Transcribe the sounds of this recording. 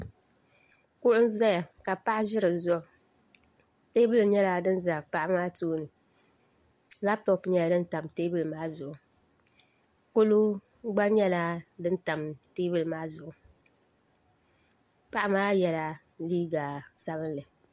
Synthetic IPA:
kʊ˦ʔʊ˦n˦za˦ja˨ka˨pa˦ʔʒɪ˦ɾɨ˨zɔ˦˨ | te˦bɨ˦lɲɛ˦laː˦dɨ˦n˦za˨pa˦ʔa˦maː˦tuː˦nɨ˨ | la˦p̚tɔ˨pɲɛ˦a˨˦dɨ˦n˦ta˨mte˦bɨ˨lmaː˦zʊ˨ʔʊ˨ | ko˦lu˦ | ɡ͡ba˦ɲɛ˦laː˦dɨ˦n̩˦ta˨mte˦bɨ˨lmaː˦zʊ˨ʔʊ˨ | pa˦ʔa˦maː˦jɛ˨la˨ | liː˦ɡa˨sa˦βɨ˦nlɨ˨

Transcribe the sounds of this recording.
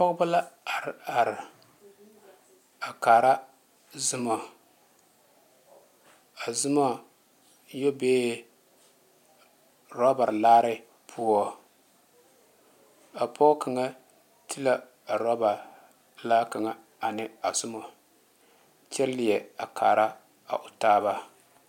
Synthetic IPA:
a˨pɔ˦ɡʊ˦ba˦la˦˨ɾa˨ɾ | a˨kaː˨ɾa˦ | zʊ˦mɔ˨ | a˨zɨ˦mɔ˦ | jo˦beː˦ | ɾɔ˦ba˨ɾlaː˦ɾɪ˦ | pʰu˦ɔ˦ | a˨pʰɔ˦kʰa˨ŋa˦ | ti˦la˦ | a˨ɾɔ˦ba˨ | laː˦ka˨ŋa˨ | a˨nɪ˨a˨z̥ʊ˦mɔ˨ | t͡ʃɛ˦lːɪ˨jɛ˨a˨kʰa̰ː˨ɾa˦ | a̰˨ʔʊ˨taː˦βa˦

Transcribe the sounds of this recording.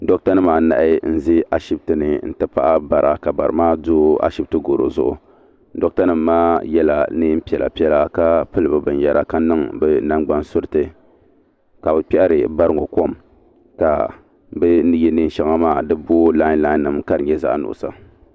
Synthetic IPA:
do˦kta˦nɨ˦maː˨˦na̰˨ʔɪ˦n̩˦zi˦a˨ʃi˦b̚tɨ˨nɨ˨n̩˦tɨ˦pa˦ʔa˦ba˨ɾa̰˨ka˨ba̰˨ɾɨ̰˨maː˦doː˦a̰˦ʃi˦b̚tɨ˦ɡo˨ɾo̰˨zʊ̰˦ʔʊ̰˨ | do˦k̚ta˦nɨ˨mː˦aː˦jɛ˦la˨nɨ˦m̩˦pi˦ɛ˨la̰˨pi˦ɛ˦la˦ka˦pɨ˦lɨ˨bɨ˨bɨ˨n˦jɛ˦ɾa̰˦˨ka˦nɨ˦ŋbɛ˦na˦ŋɡ͡ba˦nsʊ˦ɾɨ˦tɨ˨ | ka˨bɨ˨pi˦ʔa˦ɾɨ˨ba˦ɾɨ˦ŋo˨ko˦˨m | ka̰˨ | bɨ˦nɨ˦je˦nɨ˦n˦ʃa˦ŋa˦maː˦˨dɨ˦boː˦la˦la˦nːɨ˨m˦ka˦ɾɨ˨ɲɛ˦za̰˦ʔnʊ̰˨ʔʊ̰˨sa̰˨

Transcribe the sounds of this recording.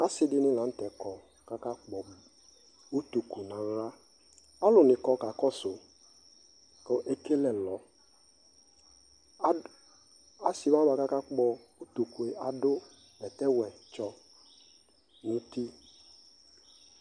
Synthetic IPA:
a˦sɪ˦dɪ˦nɪ̃˦lã˨n̩˦tɛ˨kɔ˨ | ka˦ka˦k͡pɔ˨ | u˦tu˨ku˨nã˨ŋ˦ɾa˦ | a˦lʊ˨nɪ̃˨kɔ˨ka˨kɔ˦sʊ˨ | kɔ˦ʔe˦ke˦lɛ˨lɔ˨˦ | a˨si˨mã˦ba˨ka˦ka˦k͡pɔ˦ | u˦tu˨ku˨e˨a˨dʊ˦ | bɛ˨tɛ˦wɛ˨t͡ʃɔ˦ | nʊ̃˦ti˦

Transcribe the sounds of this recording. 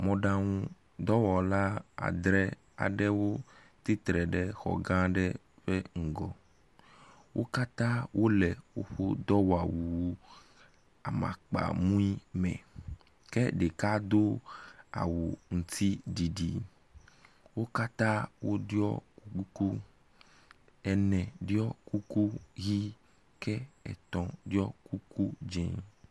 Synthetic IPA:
mɔ̃˨ɖã˦ŋũ˦ | d̪ɔ˦wɔ˨la˦a̰˨d̪ɾɛ˦ | a̰˨ɖɛ˦wo˦ | t̪i˦t̪ɾɛ˨ɖɛ˦xɔ̰˨ɡã˦ɖɛ˦ | ɸɛ˦ŋ̩˨ɡɔ˨ | wʔo˦ka˦t̪ã˦wʔo˦lɛ˨wo˦ɸo˦d̪ɔ˦wa˨wu˨˦ | a˨mã̰˨k͡pa̰˨mũ˦i˦mɛ̰̃˨ | kɛ˦ɖe˨ka˦d̪o˦a̰˨wu˨ŋũ˨t̪ʰi˦ɖi˨ɖi˨ | wo˦ka˦t̪ã˦wo˦ɖi˦ɔ̰˦ku˦ku˦ku˦ | ɛ˨nɛ̃˨ɖi˦ɔ˦ku˦ku˦ɣi˦ | kɛ˦ɛ̰˨t̪ɔ̃˨ɖi˦ɔ˦ku˦ku˦d͡ʒɛ̰̃˨

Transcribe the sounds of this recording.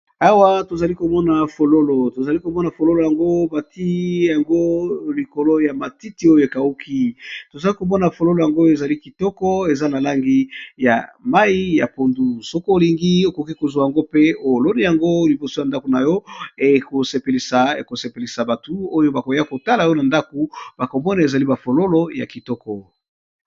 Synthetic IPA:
a˦wa˦to˨za˨li˦ko˨mɔ˦na˨fo˨lo˦lo˨to˨za˨li˦ko˨mɔ˦na˨fo˨lo˦lo˨ja˨ŋɡo˦ba˨ti˦ja˨ŋɡo˦li˨ko˨lo˦ja˨ma˨ti˦ti˨˦o˦jo˨e˨ka˨u˦kʰi˦to˨za˨li˦ko˨mɔ˦na˨fo˨lo˦lo˨ja˨ŋɡo˦˨e˨za˨li˦ki˨tɔ˦kɔ˦e˨za˦na˨la˦ŋɡi˦ja̰˨ma˦i˦ja˨po˨ndu˨sɔ˦ko˦o˨li˨ŋɡi˦o˨ko˨ki˦ko˨zwa˨ja˨ŋɡo˦pe˦o˨lo˦ni˦ja˨ŋɡo˦li˨bo˨so˦ja˨nda˦ko˨na˨jɔ˦e˨ko˨se˨pe˨li˨sa˨e˨ko˨se˨pe˨li˨sa˨ba˨tu˦o˦jo˦ba˨ko˨ja˦ko˨ta˦la˨jo˦na˨nda˦ko˨b̥a˨ko˨mɔ˦na˨e˨za˨li˦ba˨fo˨lo˦lo˦ja̰˨ki˨tɔ˦kɔ˦

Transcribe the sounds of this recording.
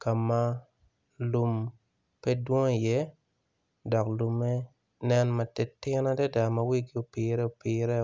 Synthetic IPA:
ka˨ma˦ | lu˨m | pɛ˦dwɔ̃˦˨jɛ˦ | dɔ˨klu˨mːɛ˦ | nɛ˦nma˨tɛ˨tːɪ˦na˦dɛ˦da˨ma˦wi˦ɡi˦u˨pi˨ɾɛ˦o˨piː˨ɾɛ˦

